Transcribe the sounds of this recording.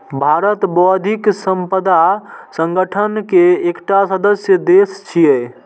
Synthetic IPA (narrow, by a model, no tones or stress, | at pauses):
bʱaɾət̪bɔd̪ʱiksəmpəd̪asəŋɡəʈʰənkeekʈasəd̪əsjəd̪est͡ʃʰijɛ